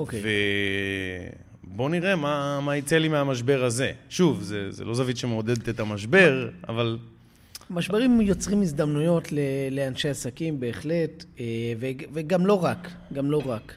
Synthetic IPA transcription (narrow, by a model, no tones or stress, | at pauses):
okejve | bo̞niʁe̞mamait͡selimeamaʃ̬be̞ʁaze̞ʃuvzezḛlo̞zavid̪ʃemeod̪e̞d̪et̪et̪amaʃbe̞ʁa̰val | maʃbe̞ʁimjo̞t͡sʁimizd̪amnujo̞tlele̞anʃeasakimbe̞ːχle̞teveveɡamlo̞ʁakɡamlo̞ʁak